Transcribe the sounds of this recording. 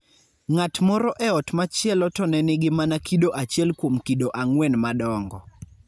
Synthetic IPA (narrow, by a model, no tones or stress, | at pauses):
ŋatmɔɾɔʔɛɔtmat͡ʃjɛlɔtɔnɛnɪɡɪmanakidoʔat͡ʃjɛlkwomkidoʔaŋwɛnmadɔŋɡɔ